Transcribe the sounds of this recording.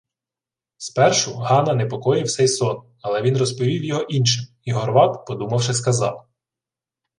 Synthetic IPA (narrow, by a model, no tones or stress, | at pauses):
spɛrʃʊɦɑnɐnepɔkɔjɪwsɛjsɔn | ɐlˠɛʋʲinrɔspɔʋʲiwjɔɦɔʔinʃɪm | iɦɔrʋɑt̪pɔd̪umɐwʃɪskɐzɑ̰w